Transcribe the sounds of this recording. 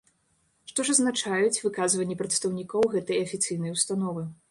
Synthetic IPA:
ʂt̪ɔʐɐznat͡ʂajut͡sʲvɨkazvɐnʲːipɾɐt̪st̪ɐwnʲikɔwɣɛt̪ɐjɐfʲit̪sɨjnɐjwst̪anɔvɨ

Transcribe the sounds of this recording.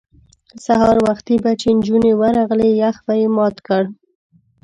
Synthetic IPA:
sahɑɾwaxt̪ibat͡ʃend͡ʒunewəɾɑɣlejaxbajemɑt̪kəɽ

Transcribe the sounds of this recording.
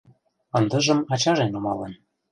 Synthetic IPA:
ɤ̆nd̪ɤ̆ʒɤ̆mɑt͡ɕɑʒenomɑlɤ̆n

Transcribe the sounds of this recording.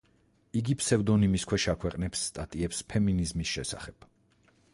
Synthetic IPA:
iɡipʰsɛvd̪ɔnimiskʰwɛʃakʰwɛqʼnɛpsːt̪ʼat̪ʼiɛpspʰɛminizmisʃɛsa̰χɛb̥

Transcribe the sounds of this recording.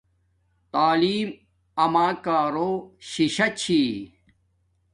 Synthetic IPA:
t̪aːliːm | ɐmaːkaːɾoːɕiɕɐt͡ɕʰiː

